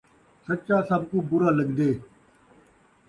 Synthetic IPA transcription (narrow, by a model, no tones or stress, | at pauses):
sət͡ʃaːsaːb̚kũːbʊɾaːləɠd̪eː